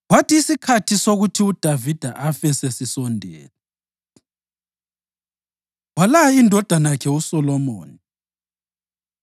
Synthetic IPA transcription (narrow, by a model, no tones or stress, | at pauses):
ɣwatʰiːsikʰatʰisoɣutʰiud̥ʱavid̥ʱa̰ʔafɛsɛsisɔndʱɛ̰ːla | walaaindʱɔd̥ʱanakʰɛusɔlɔmo̰ːni